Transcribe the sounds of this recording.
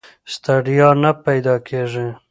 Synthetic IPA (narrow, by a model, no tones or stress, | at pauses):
st̪aɖijɑnapajd̪ɑkʰeʐe